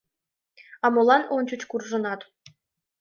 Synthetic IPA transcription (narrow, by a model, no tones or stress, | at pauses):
ɑmulˠɑnonʲt͡ɕut͡ɕkurʐɤ̆nɑt̪